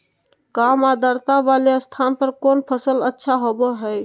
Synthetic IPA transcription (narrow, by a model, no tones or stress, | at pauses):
kamad̪ʱəɾt̪aʋaleəst̪ʰanpəɾkonpʰəsələtːʃʰaɦobɔɦəj